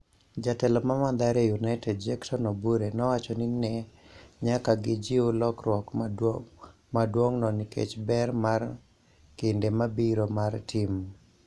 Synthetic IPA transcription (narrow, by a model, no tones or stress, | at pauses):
d͡ʒatɛlɔmamand̪aɾjajunaɪtɛdd͡ʒɛksɔnɔbuɾenɔwat͡ʃɔnɪnɛɲakaɡɪd͡ʒiolɔkɾwɔk | madwoŋnɔnikḛt͡ʃbɛrmar | kɪndemabiɾomartʰɪm